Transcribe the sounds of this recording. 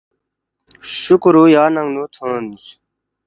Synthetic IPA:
ɕukɾujaːnɐŋluːt̪ʰoːnd̪us

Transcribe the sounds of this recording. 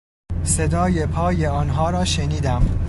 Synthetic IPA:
se̞d̪ɒːje̞pʰɒːje̞ɒːnɦɒːɾɒːʃeniːd̪æm

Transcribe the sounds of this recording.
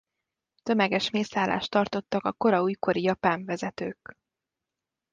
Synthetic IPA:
t̪ø̞mɛɡɛʃmeːsaːla̰ːʃt̪ːɒrt̪o̞t̪ːɒkɒko̞ɾɒuːjko̞ɾijɒpaːɱvɛzɛt̪øːk

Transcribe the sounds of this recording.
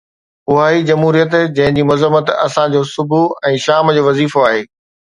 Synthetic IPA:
ʊɦaːid͡ʑɐmɦuːɾijət̪d͡ʑɐ̃ɦɪ̃ɲd͡ʑiːmʊzəmːət̪ɐ̰sãd͡ʑoːsʊbʱuɛ̃ːʃaːmd͡ʑoːʋɐziːfoaːɦeː

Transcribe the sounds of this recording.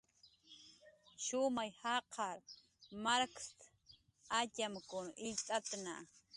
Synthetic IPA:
ʃʊmajhɑqʰɑɾ | maɾkst̪ | acamkʊnɪʎt̪ʼat̪na̰

